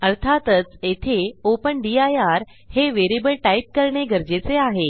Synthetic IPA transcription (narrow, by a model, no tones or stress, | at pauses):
əɾt̪ʰat̪ət͡set̪ʰeopəɳɖiajaɾ | heʋeɾibəɭʈaip̚kəɾɳeɡʱəɾd͡ʑet͡seaɦe